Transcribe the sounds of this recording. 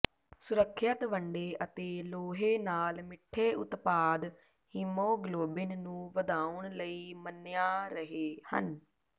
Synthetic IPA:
sʊɾəkʰːjət̪ʋəɳɖeːʔət̪eːloːɦeːnaːlmɪʈʰːeːʊt̪paːd̪ | himõːɡloːbɪnnũːʋəd̪aːʊɳləiːmənːjaːɾəɦeːhə̰n

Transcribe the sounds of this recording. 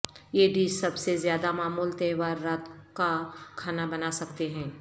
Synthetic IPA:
jeɖiːssɐbsezjaːd̪amaːmuːlt̪eːʋaːɾːaːt̪kakʰaːnabɐnasɐkt̪eɦɛ̃ː

